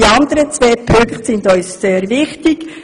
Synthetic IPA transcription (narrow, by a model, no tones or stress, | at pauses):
iɑnd̪əɾət͡sʋeːpʰʏŋχtsɪndœʏsseːɾvɪχtɪɡ̥